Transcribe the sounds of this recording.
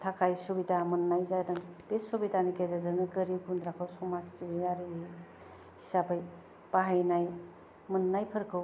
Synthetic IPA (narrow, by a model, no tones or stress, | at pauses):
tʰakʰajsubitamɯnːajzajdaŋpesobidanikezazanɯɡəɾib̚ɡund̪ɾakʰawsɔmasibinaɾi | isabɯj | paɦajnaj | mɯnːajpʰɯɾkʰɯw